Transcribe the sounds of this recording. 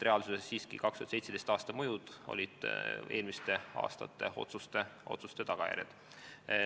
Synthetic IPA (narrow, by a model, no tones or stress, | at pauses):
reɑlsusesːiːskḭkɑkst̪yhɑd̪sejt̪sed̪est̪ɑːst̪ɑmujud̪̥o̰lʲid̪̥e̞ːlmist̪e̞ɑ̰ːst̪ɑ̰t̪ːˑe̞o̞̰t̪sust̪eʔo̞̰t̪sust̪e̞t̪ɑɡ̥ɑjæ̰ɾʲjɑ̰d̪̥